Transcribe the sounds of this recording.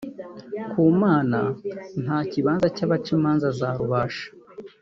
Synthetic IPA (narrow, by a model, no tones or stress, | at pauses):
kuːmaːna̰n̥haːciβaːnzacaβat͡ʃimaːnzazaːɾuβaːʃḁ